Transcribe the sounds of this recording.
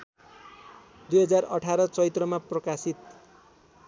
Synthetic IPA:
d̪ujɦʌd͡zarʌʈʰaɾʌt͡sʌit̪rʌmaprʌkasit̪̚

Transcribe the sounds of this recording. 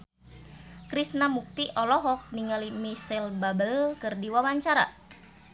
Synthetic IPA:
kɾisnamuk̚t̪iʔɔlɔɦɔk̚niŋalimisɛlbabəlkɨrdiwawaɲt͡ʃaɾa̰

